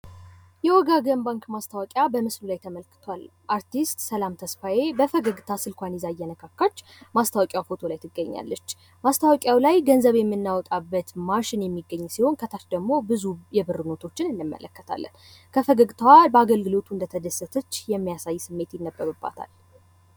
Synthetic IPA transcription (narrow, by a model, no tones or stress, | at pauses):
jɛwɔɡaɡəmbaŋkmast̪ʰawɔkʼjabəmɨslulajt̪ʰəməlkɨ̥t̪ʰoalʔaɾt̪ist̪səlamt̪ʰəsfaje̞bəfəɡəɡt̪ʰasɨlkʷanizajːɛnəkʰakːat͡ʃː | mast̪ʰawɔkʼjawfo̞t̪ʰo̞lajt̪ʰɨɡːəɲːa̰lːət͡ʃː | mast̪ʰawɔkʼjawlajɡənzəβjɛmːɨnːawɔt̪ʼabːət̪maʃɪnjɛmːiɡːəɲːsiho̞nkʰət̪ʰat͡ʃd̪əɡmo̞bɨzujɛbɨrɨno̞t̪ʰo̞t͡ʃːɪnɨnːɨmːə̰lə̰kːət̪ʰa̰lːə̰nkʰəfəɡəɡt̪ʰwabəaɡəlɡɨlo̞t̪ʰuɨnd̪ət̪ʰəd̪əsət̪ʰət͡ʃːjɛmːijasajːsɨmːe̞t̪jɪnːəbːəβɨbːa̰t̪ʰa̰l